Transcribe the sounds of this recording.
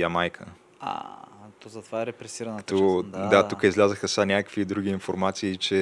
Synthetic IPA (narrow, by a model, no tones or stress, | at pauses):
jamajkʰə | a̰t̪ɔzɐt̪ovaɛɾɛpɾɛsiɾɐnkt̪od̪at̪ukəizlʲazəxəsanʲakəkəkvid̪ɾuɡ̟iːnfoɾmat̪siːt͡ʃɛ